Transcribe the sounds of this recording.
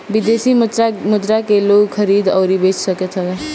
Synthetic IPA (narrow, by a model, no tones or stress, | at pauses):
bid̪esiamud̪ɾakelokʰəɾid̪ʌwɾibet͡ʃʰsəket̪ʰɔ